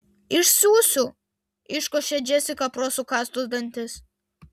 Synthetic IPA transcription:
ɪʃsʲuːsʲʊ | ɪʃkɔʃʲɛd͡ʒʲɛsʲɪkɐpɾoːsukɑst̪ʊzd̪ɐnʲt̪ʲɪs

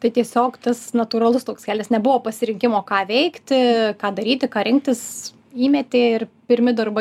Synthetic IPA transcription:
t̪ɐɪt̪ʲiɛsʲoːkt̪ɐsnɐt̪uːɾɐlˠʊst̪oːkskʲæːlʲɪsnʲɛbʊʋoːpɐsʲɪɾʲɪŋʲkʲɪmoːkɑːʋʲɛɪkt̪ʲɪkɑːd̪ɐɾʲiːt̪ʲɪkɑːɾʲɪŋk̚t̪ʲɪs | iːmʲɛt̪ʲeːɪrpʲɪɾʲmʲɪd̪ɐrbɐ

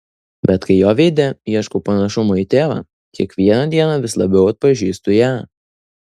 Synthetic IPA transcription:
bʲɛt̪kɐɪjoːʋʲeɪd̪ʲɛiɛʃkopɐnɐʃʊmoit̪ʲeːʋɑ̰ː | kʲiɛkʋʲiɛnɐd̪ʲiɛnɑʋʲɪslˠɐbʲɛʊɐt̪̚pɐʒʲiːst̪ʊjæː

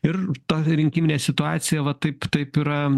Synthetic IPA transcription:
ɪrt̪oːɾʲɪŋʲkʲimɪnʲeːsʲɪt̪ʊɑːt̪sʲɪjɛʋɐt̪ɐɪpt̪ɐɪpiːɾɐ

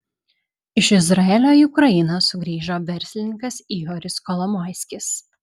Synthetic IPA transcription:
ɪʃɪzɾɐɛlʲoːiʊkɾɐɪnosʊɡɾʲiːʒoːʋʲɛɾʲsʲlʲɪnʲɪŋkɐsiːjɔːɾʲɪskɔlˠɔmɔɪsʲkʲɪs

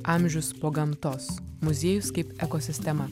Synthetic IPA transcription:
ʔɑˑmʲˑʒʲʊspoːɡɐmt̪oːsmʊzʲiːjʊskɐɪpɛkoːsʲɪsʲt̪ʲɛmɐ

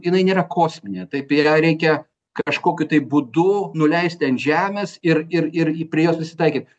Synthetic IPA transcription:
jɪnɐɪnʲeːɾɐkʰoːsʲmʲɪnʲeːt̪ɐɪpjɛɾʲɛɪkʲɛ | kɐʃkoːkʲʊt̪ɐɪbʊd̪ʊnʊlʲɛɪsʲt̪ʲɪɐnʒʲæːmʲesɪrɪrɪrpʲɾʲiɛjoːspɾʲɪsʲɪ̥t̪ɐɪkʲiːt̪̚ʲ

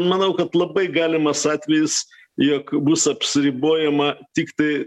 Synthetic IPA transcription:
nmɐnɐʊkɐt̪lˠɐbɐɪɡɑːlʲɪmɐsɑːt̪ʲʋʲɛjɪs | jokbusɐpʲsʲɪɾʲiboːjɛmɐt̪ʲɪkt̪ɐɪ

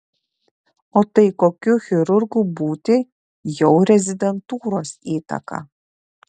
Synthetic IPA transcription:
oːt̪ɐɪkoːkʲuxʲɪɾʊɾɡuːbuːt̪ʲɪ | jɛʊɾʲɛzʲɪd̪ʲɛnt̪uːɾoːsiːt̪ɐ̰kɐ̰

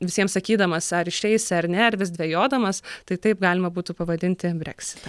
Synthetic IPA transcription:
ʋʲɪsʲiɛmsɐkʲiːd̪ɐmɐsɐɾɪʃʲɛɪsʲɐrnʲɛɐɾʋʲɪsd̪ʲʋʲɛjoːd̪ɐmɐst̪ɐɪt̪ɐɪp̚ɡɑːlʲɪmɐbuːt̪upɐʋɐd̪ʲɪnʲt̪ʲɪbʲɾʲɛ̰ksʲɪ̥t̪ɐ

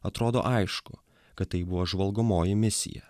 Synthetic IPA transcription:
ɐt̪ɾoːd̪o̰ːʔɐɪʃkʊ̰ | kɐt̪t̪ːɐɪbʊʋoːʒʋɐlˠɡʊmoːjɪmʲɪsʲɪ̰jɛ̰

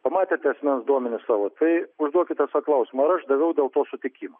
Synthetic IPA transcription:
pɐmɑːt̪ʲeːt̪ʲɛɐsʲmʲɛnsd̪uɔmʲɛnʲɪssɑːʋoːt̪ɐɪʊʒd̪uɔkʲɪt̪ʲɛsɐklˠɐʊsʲɪmɐɐɾɐʃd̪ɐʋʲɛʊd̪ʲeːlˠt̪oːsʊt̪ʲɪkʲiːmo

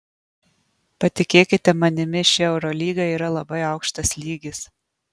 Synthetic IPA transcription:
pɐt̪ʲɪkʲeːkʲɪt̪ʲɛmɐnʲɪmʲɪʃʲɪɛʊɾɔlʲiːɡɐiːɾɐlˠɐbɐɪɑʊkʃt̪ɐslʲiːɡʲɪs

